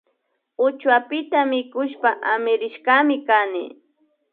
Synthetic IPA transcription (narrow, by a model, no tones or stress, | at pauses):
ʊt͡ʃwapɪt̪amɪkʊʃpaʔamɪɾɪʃkamɪkanɪ̰